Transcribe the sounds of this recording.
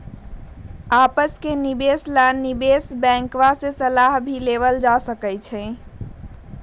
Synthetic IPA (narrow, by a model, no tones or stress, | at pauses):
apəskenibeslanibesbɛ̃ŋkʋasesəlaɦbʱileβəld͡ʒasəkəjt͡ʃʰɛ̃